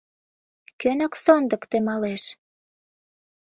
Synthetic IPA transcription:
kønəksond̪ə̆kt̪emɑleʃ

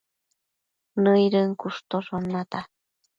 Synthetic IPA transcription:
nɨjɾɯŋkust̪osonat̪a

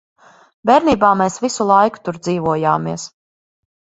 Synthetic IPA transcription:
bɛɾniːbaːmɛːsvisulˠajku̥t̪uɾd̪ziːvuɔja̰ːmiɛs

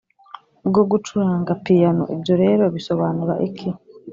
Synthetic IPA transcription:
ɡoɡutuɾaːŋɡapijano̰ʔebjo̞ɾe̞ːɾo̞βiso̞βaːniɾa̰ʔikʰi

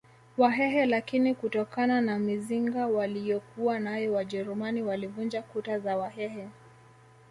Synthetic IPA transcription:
waɦɛɦɛlakinikutɔkananamiziŋɡawalijɔkuwanajɔwaʄɛɾumaniwalivund͡ʒakutazawahɛhɛ

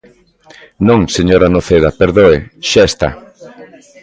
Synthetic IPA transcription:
nõŋseɲoɾanoθeðapeɾðoeʃaest̪a̰

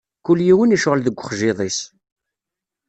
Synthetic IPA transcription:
kʊlːjiwəniʃʊʁəlðəɡʷːəχʒɪðˤis

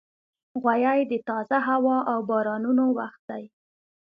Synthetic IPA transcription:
ɣwajɑjd̪ət̪ɑzaɦawɑʔawbɑɾɑnunowaxt̪̚d̪aj

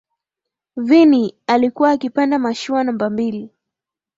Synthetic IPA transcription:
vinialikuwaːkipandamaʃuanambambili

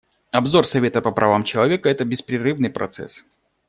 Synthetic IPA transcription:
ɐbzo̞rsɐvʲe̞t̪əpəpɾʔɐvamt͡ɕɪlˠɐvʲe̞kəɛt̪əbʲɪspɾʲɪrɨvnɨjpɾɐ̰t̪sɛ̰s

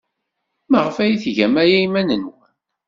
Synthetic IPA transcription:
mæʁəfæjiθʝæmæjæimænənwən

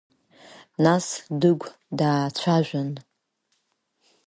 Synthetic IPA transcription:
nasdɨɡʷ | daːt͡ɕʷʰaʒᶣʷan

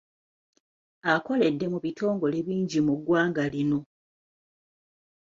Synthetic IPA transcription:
ako̞le̞dːe̞muβitʰo̞ːŋɡo̞le̞βiːɲɟimuɡwaːŋɡalino̞

